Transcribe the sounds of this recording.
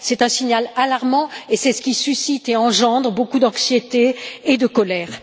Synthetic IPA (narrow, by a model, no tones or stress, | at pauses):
sɛt̪ɛ̃siɲalalaʁmɑ̃esɛsə̥kʲisysit̪eɑ̃ʒɑ̃d̪ʁəbokud̪ɑ̃ksjet̪eːd̪əkɔlɛːʁ